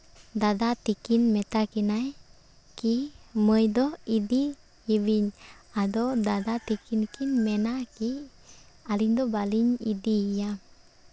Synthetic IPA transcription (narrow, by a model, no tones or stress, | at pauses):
dad̪at̪ikinmɛt̪akinaj | kiməjd̪ɔidi | iwiɲad̪ɔdad̪at̪ikinkinmɛnaki | aliɲd̪ɔbaliɲḭdija